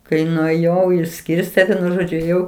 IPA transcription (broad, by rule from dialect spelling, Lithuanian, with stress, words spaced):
kɐɪ nʊeːˈjɛʊ ɪʃʲˈsʲkʲɪrʲsʲtʲeː ˈʋʲiɛnʊ ˈʒoːd͡ʒʲʊ eːˈjɛʊ